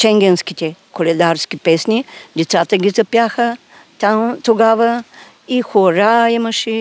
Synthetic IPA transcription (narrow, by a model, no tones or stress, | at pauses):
t͡ʃɛŋɡʲɛnskʲit̪ɛkolɛd̪aɾskʲipɛsnid̪ɛt̪sat̪əɡʲizɐpjaxə | t̪amt̪oɡavə | ixoɾaiməʃɛ